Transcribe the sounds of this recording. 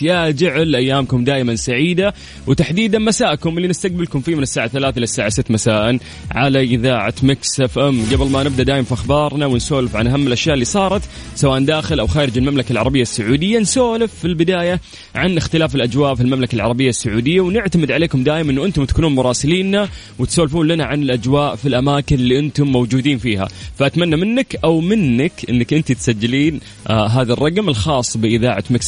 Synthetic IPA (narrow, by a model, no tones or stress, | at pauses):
jad͡ʒaʕɪlʔajːaːmkʊmd̪aːʔɪmansaʕiːd̪a | wɪt̪aħd̪iːd̪anmasaːʔkʊmɪlːinɪst̪aq̚bɪlkʊmfiːmɪnɪsːaːʕaθalaːθaɪlasːaːʕasɪt̪ːmasaːʔɪn | ʕalaʔɪðaːʕa̰t̪maksʔafʔɛmɡablmanɪb̚d̪aʔd̪aːjɪmfiʔaxbɑːɾˤnawɪnsoːlɪfʕanʔaɦamːɪlʔaʃjaːʔɪlːiːsˤɑːɾˤɑt̪ | sawaːʔnd̪aːxɪlʔawxaːɾɪd͡ʒɪlmamlakalʕɑ̰ɾˤɑbɪjːasːʊʕuːd̪ɪjːansoːlɪfːilbɪd̪aːja | ʕanʔɪxt̪ɪlaːfɪlʔad͡ʒwaːʔfilmamlakalʕɑ̰ɾˤɑbɪjːasːʊʕuːd̪ɪjːawnɪʕt̪amɪd̪ʕaleːkʊmd̪aːʔɪmʔɪnːuʔɪnt̪ʊmt̪akuːnuːnmʊɾˤɑːsɪliːnːa | wɪt̪soːlfuːnlanaʕanɪlʔad͡ʒwaːʔfilʔamaːkɪnlːiːʔɪnt̪ʊmːowd͡ʒuːd̪iːnfiːha̰faʔat̪manːamɪnːakʔawmɪnːɪkʔɪ̰nːakʔɪnt̪it̪sad͡ʒːɪliːn | ɦaːðarˤːɑɡmɪlxɑːsˤːbɪʔɪðaːʕa̰t̪mɪk